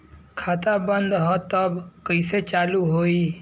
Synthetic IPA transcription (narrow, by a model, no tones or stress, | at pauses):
kʰat̪abənd̪ɦɔt̪əbkəɪset͡ʃaluɦoi